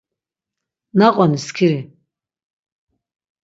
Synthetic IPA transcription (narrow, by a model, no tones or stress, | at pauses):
naqʼɔniskʰiɾi